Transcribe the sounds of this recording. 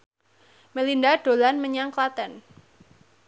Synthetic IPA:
məlindaɖ̥o̤lanməɲaŋklat̪ɛn

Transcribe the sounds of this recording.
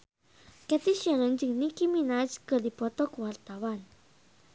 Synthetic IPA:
kɛt̪iʃɛlənd͡ʒɨŋnikiminad͡ʒkədipɔt̪ɔkəwart̪awan

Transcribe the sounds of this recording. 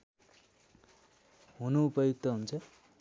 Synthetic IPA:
ɦunupʌjuk̚t̪ʌɦunt͡sʰʌ

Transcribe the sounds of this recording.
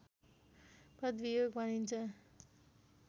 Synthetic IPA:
prʌd̪ʋijoɡbʱʌnint͡sʰʌ

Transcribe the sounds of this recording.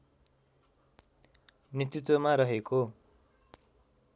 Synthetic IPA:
net̪it̪wʌmaɾʌɦeko

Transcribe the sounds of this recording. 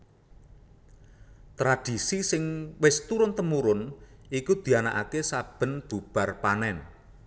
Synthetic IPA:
t̪ɾad̥i̤sisɪŋwɪst̪uɾʊnt̪əmuɾʊnikud̪̥i̤ana̰ʔakesab̥ə̤nb̥ub̥a̤rpanɛn

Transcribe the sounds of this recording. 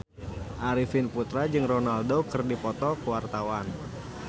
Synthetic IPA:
ʔaɾifinput̪ɾad͡ʒɨŋronaldokɨrdipɔt̪ɔkəwart̪awan

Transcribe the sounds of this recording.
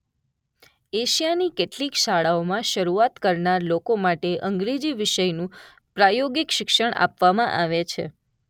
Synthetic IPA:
eʃijanikeʈlikʃaɭaomãʃəɾuat̪kəɾnaɾlokomaʈeʔəŋɡɾed͡ʒiʋɪʃəjnũ | pɾajoɡikʃɪkʃəɳ̃a̰pʋamãʔaʋet͡ʃʰḛ

